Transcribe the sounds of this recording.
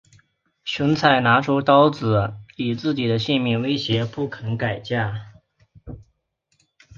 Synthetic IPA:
ɕu˧˥nt͡sʰa˥˩ɪna˧˥ʈ͡ʂʰu˥t̪ɑ˥ʊt͡sɹ̩˨˩˦i˨˩t͡sɹ̩˥˩t͡ɕi˨˩d̪ə˦ɕi˥˧nmi˥˩nwe˥ɪɕjɛ˧˥pu˥˩kʰə˧˥nka˨˩ɪt͡ɕja˥˩

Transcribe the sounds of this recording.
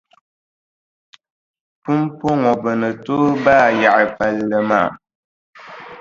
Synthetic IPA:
pu˦m˦po˦ŋɔ˨bə˨nə˨to˦baː˦˨ja˨ʔə˨fa˨lːə˨ma˦˨

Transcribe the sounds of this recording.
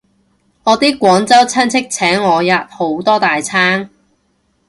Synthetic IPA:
ŋɔː˨˧t̪iː˥kːʷɔː˨˥ŋt͡sɐ˥wt͡sʰɐ˥nt͡sʰɪ˥k̚t͡sʰɛː˨˥ŋːɔː˨˧jɐ˨t̚ho˨˥wt̪ɔː˥t̪aː˨jt͡sʰaː˥ŋ

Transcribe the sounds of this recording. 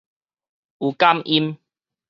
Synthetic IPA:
u˨˩ka˦mʔi˦m

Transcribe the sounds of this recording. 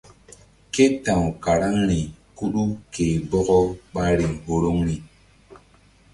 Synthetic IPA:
ke˦tã˨wka˨ɾa˦ŋɾi˨ku˦ɗu˦ke˨bɔ˦ɡɔ˦ɓa˦ɾi˨ŋho˦ɾo˦ŋɾi˨

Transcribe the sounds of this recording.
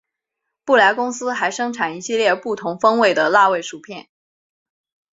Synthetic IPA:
pu˥˩la˧˥ɪkʊ˥ŋsɹ̩˥xa˧˥ɪʂɤ˥ŋʈ͡ʂʰa˨˩ni˧˥ɕi˥˧ljɛ˥˧pu˥˩t̪ʰʊ˧˥ŋfɤ˥ŋwe˥˩ɪd̪ə˩la˥˧we˥˩ɪʂu˨˩pʰjɛ˥˩n

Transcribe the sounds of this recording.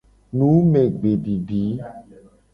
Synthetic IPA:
nũ˨˦me˨ɡ͡be˨ɖi˨ɖi˨˦

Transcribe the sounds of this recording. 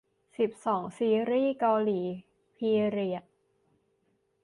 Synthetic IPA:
si˨˩p̚sɔː˩˦ŋsiː˧ɾiː˥˩kaː˧liː˩˦ | pʰiː˧ɾi˨˩ə

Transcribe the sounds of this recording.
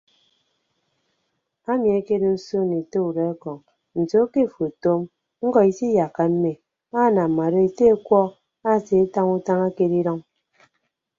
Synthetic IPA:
a˦mi˨e˦ke˦do˦so˦˨ni˨to˦u˨ɾe˨a˦kɔ˨ŋ | n̩˨to˦ke˦˨fo˨to˦m | ŋ̩˦kɔ˨i˦si˦ja˨kːa˨m̩˦me˨ | a˦˨na˨ma˨ɾo˦e˨te˦e˦kʷɔ˦ | a˦˨se˨e˦ta˦ŋu˦ta˦ŋa˦ke˦di˦ɾɔ˦ŋ

